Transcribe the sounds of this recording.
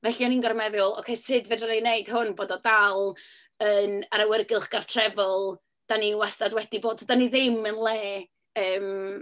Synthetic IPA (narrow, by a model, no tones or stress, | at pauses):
vɛɬiɔninɡɔrmɛðʊlˠɔ̰wkʰejsɨdvɨdəneneɨd̥hʊnboːdɔdalˠ | ənaɾawərɡɪlˠχɡ̥artʰrɛvɔlˠ | d̥aniwastadwɛd̥iboːd̚tʰdaniðɪmənlˠɛː | əːm